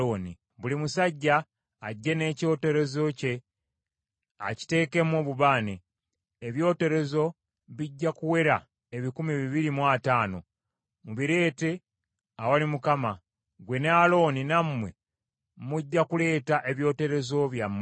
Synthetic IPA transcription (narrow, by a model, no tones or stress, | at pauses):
oːni | βulimusaɟːaː | ɟːe̞ne̞ːco̞ːte̞ɾe̞zo̞ce̞ | a̰ci̥te̞ːke̞mo̞ːβuβaːneː | βjo̞ːte̞ɾe̞zo̞ | βiɟːakuwe̞ɾa | eβikumiβiβiɾimwataːno̞̰ | muβiɾe̞ːte̞ | awalimukama | ɡwe̞nealo̞ːninamwe̞ | muɟːakule̞ːtaʔe̞βjo̞ːte̞ɾe̞zo̞βjamːe